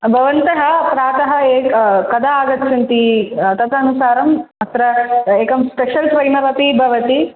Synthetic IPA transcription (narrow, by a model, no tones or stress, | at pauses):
bʱɐʋɐnt̪ɐɦɐpɾaːt̪ɐɦɐeːkɐd̪ʱaaːɡɐt̪ːt͡ʃʰɐnt̪it̪ɐt̪ɐnusaːɾɐmɐt̪ɾɐeːkɐmspeʃɐlsʋɐjnɐʋɐpibʱɐʋɐt̪i